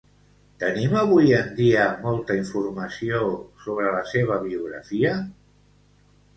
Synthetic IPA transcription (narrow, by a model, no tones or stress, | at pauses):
t̪əniməβ̞ujənd̪iəmɔlˠt̪əiɱfurməsiosoβɾələseβ̞əβiuɣ̞ɾə̰fiə